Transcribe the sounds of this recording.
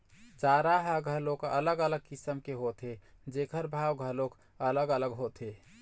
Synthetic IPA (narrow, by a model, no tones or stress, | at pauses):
t͡ʃaɾaɦəɡʱəlokə̰ləɡələɡ̚kisəmkeɦot̪e | d͡ʒekʰəɾbʱawɡʱəlok | ələɡələɡɦot̪e